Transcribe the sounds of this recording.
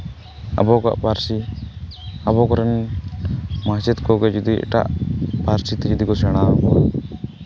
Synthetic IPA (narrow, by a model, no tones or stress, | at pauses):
a̰bɔka̰ʔpaɾsi | abɔkɔɾɛn | mat͡ʃit̪kɔɡɛd͡ʒud̪iʔɛ̰ʈa̰ʔpaɾsit̪id͡ʒud̪ikɔsɛɽ̃aɔ